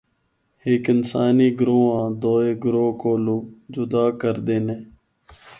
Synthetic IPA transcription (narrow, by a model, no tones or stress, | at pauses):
heːkɪnsaːniːɡɾoːãːd̪oːeːɡɾoːkoːlud͡ʒʊd̪aːkəɾd̪eːnẽː